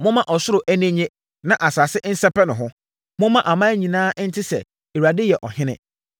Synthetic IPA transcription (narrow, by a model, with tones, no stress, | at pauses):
mʊ̃˦mã˦ʔɔ˨sʊ˦ɾʊ˨ʔæ˦nẽ˦ɲẽ˦ | nã˦ʔa˨saː˨sɪ˦ʔn̩˦sɛ˦pɛ˦nʊ̃˨ɦʊ̃˦ | mʊ̃˦mã˦ʔa˨mã˦ɲĩ˨nãː˦n̩˦tʰɪ˦sɛ̰˨ | e˨wa˨dɪ˦jɛ˨ʔɔ˨hɪ̃˦nɪ̰̃˨